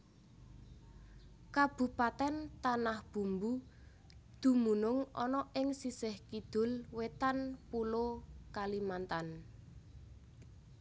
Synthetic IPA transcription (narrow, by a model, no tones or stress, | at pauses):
kab̥ṳpat̪ɛnt̪anahb̥ṳmbu | d̪̥ṳmunʊŋɔ̰nɔʔɪŋsisɪhkid̪̥ʊ̤lwet̪anpulokalimant̪an